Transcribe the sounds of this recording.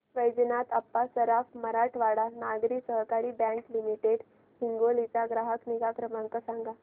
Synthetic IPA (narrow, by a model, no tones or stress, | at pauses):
ʋəjd͡znat̪apːasəɾafməɾaʈʰʋaɽanaɡɾiːsəɦkaɾiːbɛ̃ŋklimiʈeɽ | hiŋɡolit͡saɡɾaɦəkniɡakɾəmãŋkasãŋɡa